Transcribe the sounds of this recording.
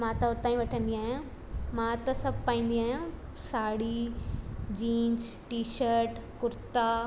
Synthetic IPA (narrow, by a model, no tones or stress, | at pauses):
mãːt̪ɐʊt̪ːaːĩʋɐʈʰə̃nd̪iaːɦijã | mãt̪ɐsɐbʱpaːĩːnd̪iaːɦijã | saːɽi | d͡ʑĩːnd͡ʑʈiːʃəɾʈkʊɾt̪aː